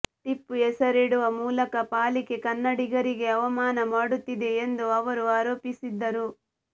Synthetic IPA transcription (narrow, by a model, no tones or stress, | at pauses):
ʈ̪ipːuɛsɐɾiɽuʋɐmuːlɐkɐpaːlike̞kɐnːɐɽiɡɐɾiɡe̞ɐʋɐmaːnɐmaːɽut̪ːid̪e̞ːnd̪uɐʋɐɾuaːɾoːpisid̪ːɐɾu